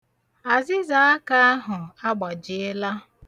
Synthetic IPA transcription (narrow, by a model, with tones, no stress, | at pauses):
a˨zɪ˦za˨˦ka˦a˦ɦʊ˨a˦ɡ͡ba˨d͡ʒɪ˦ɪ˦la˦